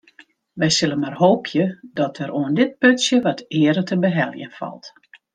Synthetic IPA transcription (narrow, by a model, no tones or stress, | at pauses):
ʋɛjsɪlənmarhoːpʰjədɔtʰəɾʔoəndɪt̚pøtsjəʋɔtɪəɾətʰəbəɦɛlˠjə̰nfɔ̰lˠt